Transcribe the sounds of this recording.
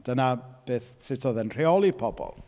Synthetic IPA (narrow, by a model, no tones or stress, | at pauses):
d̥ənab̥eːθsɪtʰɔðənr̥eɔlˠipʰɔbɔ̰lˠ